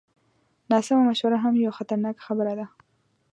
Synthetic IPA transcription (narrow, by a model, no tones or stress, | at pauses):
nɑsɪmamaʃwaɾaɦamjawaxat̪aɾnɑkxabəɾad̪a